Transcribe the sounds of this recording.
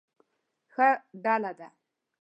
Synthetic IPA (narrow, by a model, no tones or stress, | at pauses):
xɐɖaːlada